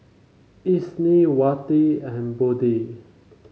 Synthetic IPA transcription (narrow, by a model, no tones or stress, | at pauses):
isniwat̪iɛ̃nbod̪i